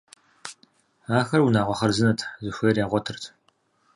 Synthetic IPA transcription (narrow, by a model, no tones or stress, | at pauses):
aːxɐrwunaːʁʷɔχɐrzɨnɐtʰzɨxʷeːrjaːʁʷɔtʰɨrtʰ